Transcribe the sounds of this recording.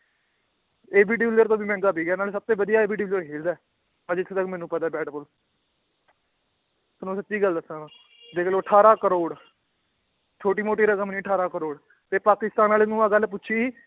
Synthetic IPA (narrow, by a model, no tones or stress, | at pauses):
eːbiːɖɪʋləɾt̪õːbiːmɛ̃ːŋɡaːbiːɡɛːnaːlsəb̚t̪õːʋəd̪ijaːeːbiːɖɪʋləɾɦeːld̪aː | əd͡ʒɪt̪ʰːt̪əkmɛ̃ːnũːpət̪aːbɛːʈbʊl | sənũːsətːʃiːɡəld̪əsãːnãː | d̪eːkʰloːəʈʰaːɾaːkəɾoːɽ | t͡ʃʰoːʈiːmoːʈ̬iːɾəkəmniːəʈʰaːɾaːkəɾoːɽ | t̪eːpaːkɪst̪aːnaːlenũːaːɡəlp̬ʊtːʃʰiː